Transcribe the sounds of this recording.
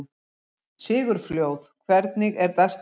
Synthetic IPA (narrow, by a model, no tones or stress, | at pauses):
sɪːɣʏɾ̥fljoːwθkʰvɛɾt̪nɪɣɛɾt̪ɛs